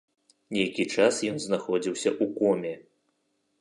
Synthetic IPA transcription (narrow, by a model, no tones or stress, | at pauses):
nʲejkʲit͡ʂasjɔnznaxɔd͡zʲiwsʲɐʔukɔmʲɛ